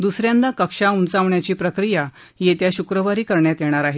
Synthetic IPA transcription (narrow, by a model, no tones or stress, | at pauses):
d̪usɾjãnd̪akəkʂaunt͡saʋɳjat͡ɕiːpɾəkɾija | jet̪jaɕukɾəʋaɾiːkəɾɳjat̪jeɽ̃aɾaɦe